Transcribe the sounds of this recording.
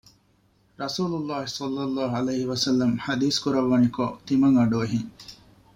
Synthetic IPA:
ɾɐsuːlulːaːɦisɐlːɐlːɑːɦuɐlejɦiʋɐsɐlːɐmħɐd̪iːskuɾɐʋːɐnikot̪imɐŋɐɖoɐɦiŋ

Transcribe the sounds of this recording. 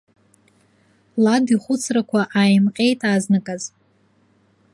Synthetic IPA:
ladiχʷʊt͡sʰrakʷʰaʔaːjmqʲʼe̞jtʼaːznɨkʼaz

